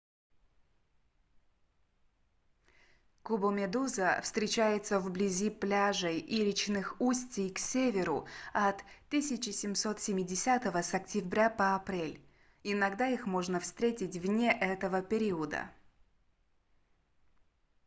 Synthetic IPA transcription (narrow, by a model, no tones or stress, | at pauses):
kʊbəmʲɪd̪uzəfst̪ɾʲɪt͡ɕæjɪt̪səvblʲɪzʲiplʲaʐəjʔilʲɪt͡ɕnɨxusʲtʲɪjksʲevʲɪɾʊɐt̪ːɨsʲɪt͡ɕɪsʲɪmso̞t̪sʲɪmʲɪdʲɪsʲat̪əvəsɐktʲɪbɾʲapəɐpɾʲelʲ | ɪnɐɡd̪aixmo̞ʐnəfst̪ɾʲetʲɪtʲvnʲeʔɛt̪əvəpʲɪɾʲiəd̪ə̰